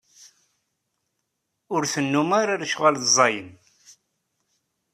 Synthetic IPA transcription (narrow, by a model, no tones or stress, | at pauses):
ʊɾθənːumaɾaɾʃʁalzˤɑjən